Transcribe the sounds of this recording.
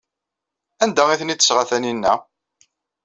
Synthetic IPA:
ænd̪æiθənit̪ːə̥sʁaθæninːæ̰

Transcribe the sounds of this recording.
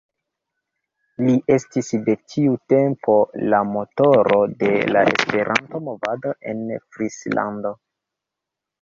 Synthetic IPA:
liʔe̞stisde̞tʰiute̞mpo̞lamo̞to̞ɾo̞de̞la̰e̞̰spe̞ɾʔanto̞mo̞vado̞ʔe̞̰nfɾisla̰ndo̞

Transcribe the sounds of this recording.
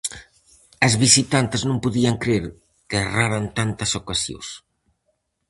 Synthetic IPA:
ɐzβisit̪ant̪eznõmpuðiɐŋkɾeɾ | keeraɾant̪ant̪ɐsokasjo̰s

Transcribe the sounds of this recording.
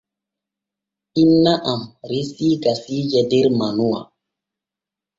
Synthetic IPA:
inːaʔamɾisiɡasid͡ʒɛdeɾmanuwa̰

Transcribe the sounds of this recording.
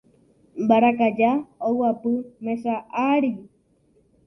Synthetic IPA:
mbaɾakad͡ʒaowapɨmesaʔaɾi

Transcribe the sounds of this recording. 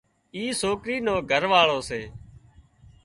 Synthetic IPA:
iːsoːkɾiːnoːɡʱəɾʋaːɭoːseː

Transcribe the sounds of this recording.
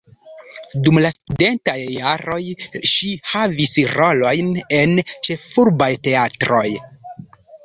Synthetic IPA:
dumlastude̞ntajːaɾo̞jʃihavisiɾo̞lo̞jne̞nt͡ʃe̞fuɾbajte̞atɾo̞j

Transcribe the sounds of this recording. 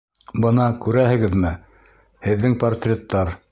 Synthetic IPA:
bɤnɑkʉɾæhɘ̆ɡɘðmɘ | hɘ̆ðːɘŋport̪rʲet̪ːɑɾ

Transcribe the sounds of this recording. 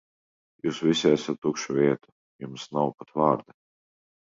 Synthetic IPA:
juːsvisʲiæsat̪ːukʃuvʲiɛt̪u̥ | jumsnawpat̪vaːɾd̪a

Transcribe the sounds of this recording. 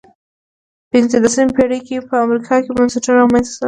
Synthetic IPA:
pɪnzəlasnimpeɽəjkepəamɾikʰɑkebansaʈaɾawmansḁsa

